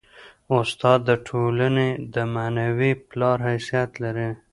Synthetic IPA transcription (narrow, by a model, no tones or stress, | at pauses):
ʊst̪ɑd̪ːəʈʰolaned̪əmanawiplɑɾɦajsijat̪laɾi